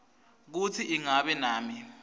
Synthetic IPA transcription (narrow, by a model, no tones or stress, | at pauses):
k̬ut͡sʰiʔiŋaɓɛnaːmi